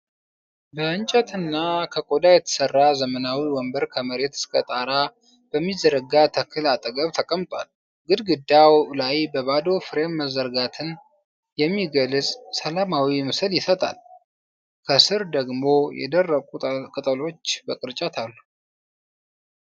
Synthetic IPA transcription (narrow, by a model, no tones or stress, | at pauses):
bəɨɲt͡ʃʼət̪ɨnːakʰəkʼod̪ajɛt̪ʰə̥sərːazəmənawiwɔmbəɾkʰəməɾe̞t̪ɨ̥skʰət̪ʼaɾa | b̥əmːizəɾəɡat̪ʰəkʰːɨlat̪ʼəɡəβt̪ʰəkʼəmt̪ʼwal | ɡɨd̪ɡɨd̪awlajbəβad̪o̞fɨɾemməzəɾɡat̪ʰɨn | jɛmːiɡəlɨt͡sʼsəlamawimɨsɨljɪsət̪ʼa̰l | kʰəsɨɾd̪əɡmo̞jɛ̰d̪ərːəkʼukʼɨt̪ʼəlo̞t͡ʃːbəkʼɨɾt͡ʃʼat̪ʰalːu